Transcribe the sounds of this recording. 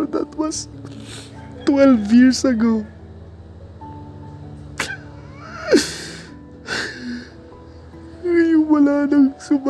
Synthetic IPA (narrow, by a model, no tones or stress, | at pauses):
d̪ɐ̰t̪wɐs | t̪wɛlvjiɹsɐɡow | jʊwɐlaːnɐŋsʊb